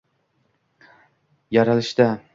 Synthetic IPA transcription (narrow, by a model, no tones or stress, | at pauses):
jaɾalˠɪʃd̪a